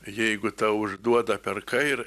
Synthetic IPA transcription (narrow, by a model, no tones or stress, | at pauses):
jɛɪɡʊt̪aʊʒd̪uɔd̪ɐpʲɛɾkʰajɾ